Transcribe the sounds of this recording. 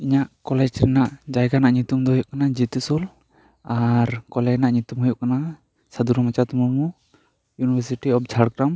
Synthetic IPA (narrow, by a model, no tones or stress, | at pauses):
iɲaʔkɔlɛd͡ʒɾinaʔd͡ʒajɡanaʔɲut̪umd̪ɔɦɔjuʔkanad͡ʒit̪sul | aɾkɔlɛd͡ʒnaʔɲut̪umɦɔjɔʔkana | sad̪uɾɔmat͡ʃat̪umumu | junibʱaɾsiʈiɔp̚d͡ʒʰʱaɽkɾam